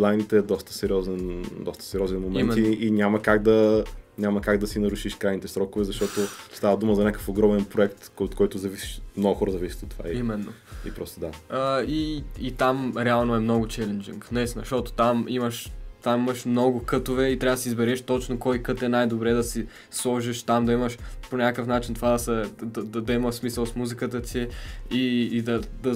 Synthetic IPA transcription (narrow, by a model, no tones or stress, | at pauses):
lˠajnit̪ɛːd̪ɔst̪ə̥sɛɾiɔzɛnd̪ɔst̪ə̥sɛɾʲjɔzɛnmomɛnmɛiinʲamɐkaɡd̪ɐnʲamɐkaɡd̪ɐsinɐɾuʃiʃkɾajnit̪ɛsɾɔkʊvɛzɐʃt̪ɔt̪ost̪avɐd̪uməzɐnʲakə̥foɡɾɔmɛnpɾoɛkt̪ot̪kɔjt̪ʊzɐvisi̥ʃmnɔɡʊxɔɾəzɐvisʲi̥t̪ot̪ːo̥va̰iimɛnːo̰ | ḭpɾɔst̪od̪aəiit̪amɾɛalˠnoɛmnɔɡʊt͡ʃɛlɛnd͡ʒḭŋknɛsnɐʃt̪ɔt̪o̥t̪amiməʃt̪amimɐʃmnɔɡʊkɤt̪ovɛit̪ɾavəd̪ɐsizbɛɾɛʃt̪ɔt͡ʃnokɔjkɤt̪ɛnajd̪obɾɛd̪ɐsi | slˠɔʒiʃt̪amd̪ɐiməʃponʲakəfnat͡ʃint̪ovad̪ɐsɐd̪ɐd̪ɐd̪ɐimɐsmisəlˠsmuzikət̪ət̪iiːd̪ɐd̪ɐ